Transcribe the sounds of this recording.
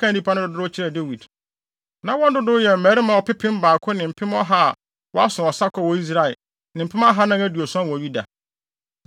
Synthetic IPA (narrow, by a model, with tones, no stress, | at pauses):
kã˦n˦di˦pʰa˦nʊ̃˦dʊ˨dʊ˦ɾʊ˦ʊ˦t͡ɕʰɪ˦ɾɛ˨de˦wi˨d | nã˨wɔ̃˦n˦dʊ˦dʊ˦jɛ˨m̩˨mæ˨˦ɾɪ˦mã˨wɔ˨pɪ˦pʰɪ̃˦m˦baː˨kʰʊ˦nɪ̃˨m̩˨pʰɪ̃˦mɔ˦ɦa˦˨ | wɔ˦a˦sʊ̃˨ɔ˨sa˦kʰɔ˦˨wɔ˨i˦s̬ɾa˨ɪ˨ | nɪ̃˨m̩˨pʰɪ˦ma˦ɦa˦nã˦næ˦du˨o˨sã˦˨wɔ̃˨ɥi˦da̰˨